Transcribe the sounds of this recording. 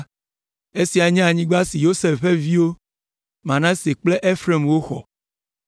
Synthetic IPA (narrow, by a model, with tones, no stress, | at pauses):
e˦si˨a˨ɲɛ̃˦a˨ɲĩ˦ɡ͡ba˦si˨jo˦se˨fɸe˦vi˦wo˦ | mã˨nã˦se˨k͡ple˦ʔe˦fɾe˦˨mwo˦xɔ̰˨